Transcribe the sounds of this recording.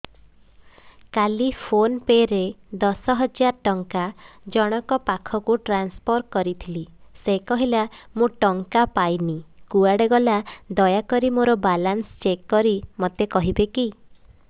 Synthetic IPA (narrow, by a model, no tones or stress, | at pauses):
kalipʰonpeɾed̪ɔsɔɦɔd͡ʒaɾʈɔŋkad͡ʒɔɽ̃ɔkɔpakʰɔkuʈɾanspʰɔɾkɔɾit̪ʰilisekɔɦilamoʈɔŋkapajnikuaɽeɡɔlad̪ɔjakɔɾimoɾɔbalanst͡ʃekːɔɾimot̪ekɔɦibeki